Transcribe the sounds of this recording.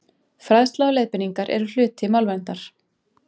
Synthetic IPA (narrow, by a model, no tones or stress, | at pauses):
fɾaðst̪lalɛːðpɪniŋkaɾʔɛ̰ɾʏl̥ʏːt̪ɪmawlvɛnt̪aɾ̥